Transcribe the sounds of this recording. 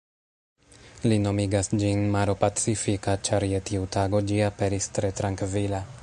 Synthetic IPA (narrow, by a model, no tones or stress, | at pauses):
lino̞miɡasd͡ʒinmaɾo̞pat͡sifikat͡ʃaɾjetiutaɡo̞d͡ʒiape̞ɾistɾe̞tɾaŋkvila